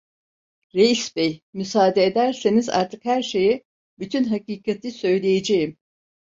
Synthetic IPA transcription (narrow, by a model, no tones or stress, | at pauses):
ɾejisbejmysaːd̪eːd̪æɾseniza̰ɾt̪ʰɯkhæɾʃe̞ji | byt̪ʰynɦakiːkʰat̪ʰisø̞jlʲejed͡ʒejim